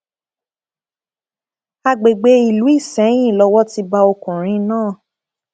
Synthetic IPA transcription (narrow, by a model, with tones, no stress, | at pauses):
a˧ɡ͡be˨ɡ͡be˨˧˦i˨lu˨˦i˦˨sɛ̃˨˦j̃ĩ˦˨lɔ˧wɔ˦ti˧˦ba˧o˧kũ˨ɾ̃ĩ˨˧nãː˦˨